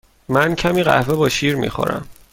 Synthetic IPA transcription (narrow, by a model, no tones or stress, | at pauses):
mæncʰæmiːɣæ̰hvebɒːʃiːɾmḭːxo̰ɾæ̰m